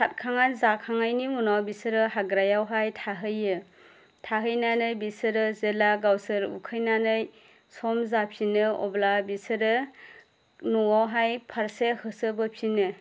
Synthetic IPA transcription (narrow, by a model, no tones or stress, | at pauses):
sʰat̚kʰaŋanzakʰaŋajnimunawbisɯɾɯɦaɡɾajawɦajtʰaɦɯjɯ | tʰaɦɯjnanɯjbisɯɾɯzelaɡawsɯɾṵkʰɯjnanɯj | sɔmzapʰinɯɔ̰blabisɯɾɯ | nɔwawɦajpʰaɾsehɯsɯbɯpʰinɯ